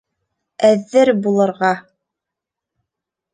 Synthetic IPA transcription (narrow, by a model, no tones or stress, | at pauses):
æðːɘɾbulˠɤ̆ɾʁɑ